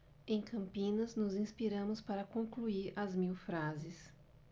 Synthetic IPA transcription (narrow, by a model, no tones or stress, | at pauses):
ẽj̃kɐ̃mpĩnɐznʊzĩspiɾɐ̃mʊspaɾɐkõkluiɾɐzmiwfɾazɪs